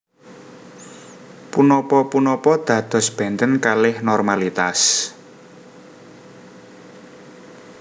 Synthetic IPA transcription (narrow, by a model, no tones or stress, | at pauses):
punɔpɔpunɔpɔd̪̥ä̤d̪̥ɔ̤sb̥ɛ̤nt̪ənkalɪhnɔrmalit̪as